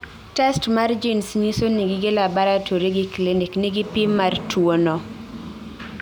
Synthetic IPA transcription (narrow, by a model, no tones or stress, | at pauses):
tɛstmard͡ʒinsɲisoniɡɪɡelabaɾatʰoɾeɡɪkleneknɪɡɪpimːartʰwonɔ